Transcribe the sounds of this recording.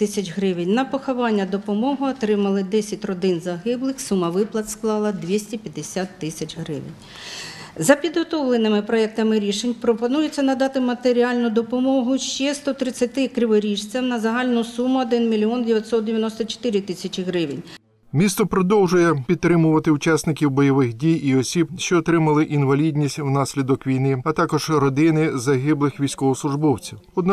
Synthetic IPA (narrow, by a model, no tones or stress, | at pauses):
t̪ɪsʲɐt͡ʃɦɾɪʋɪnʲnɐpɔxɔʋɑnʲːɐd̪ɔpɔmɔɦʊɔt̪ɾɪmɐlˠɪd̪ɛsʲɐtʲrɔd̪ɪnzɐɦɪblˠɪxsumɐʋɪplˠɐt̪sklˠɑlˠɐd̪ʋʲisʲtʲipʲjɐd̪ɪsʲat̪ːɪsʲɐt͡ʃɦɾɪ̰ʋɪ̰nʲ | zɐpʲid̪ɦɔt̪ɔwlˠenɪmɪpɾɔɛk̚t̪ɐmɪɾʲiʃenʲpɾɔpɔnujet͡sʲːɐnɐd̪ɑt̪ɪmɐt̪eɾʲiɑlʲnʊd̪ɔpɔmɔɦʊʃt͡ʃɛst̪ɔt̪ɾɪt͡sʲːɐt̪ɪkɾʲɪʋɐɾʲiʃt͡sʲɐwnɐzɐɦɑlʲnʊsumʊɔd̪ɪnmʲilʲiɔndʲɪʋʲjɐt̪ʲsɔt̪̚d̪ʲɪʋʲjɐnɔst̪ɔt͡ʃɔ̥t̪ɪɾʲɪt̪ɪsʲɐt͡ʃɪɦɾɪʋɪ̰nʲ | mʲist̪ɔpɾɔd̪ɔwʒʊjɛpʲid̪̚t̪ːɾɪmʊʋɐt̪ɪʊt͡ʃɑsnɪkʲiwbɔjɔʋɪxdʲijiɔsʲibʃt͡ʃɔːt̪ɾɪmɐlˠɪʔinʋɐlʲidʲnʲisʲtʲwnɑsʲlʲid̪ɔkʋʲijnɪɐt̪ɑkɔʒ̥rɔd̪ɪnɪzɐɦɪblˠɪxʋʲijsʲkɔɦɔslˠʊʒbɔwt͡sʲiwɔd̪n